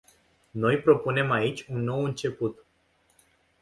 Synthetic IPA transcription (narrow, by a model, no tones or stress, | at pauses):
no̞jpɾo̞pune̞mait͡ʃʲunːo̞wɨnt͡ʃe̞put̪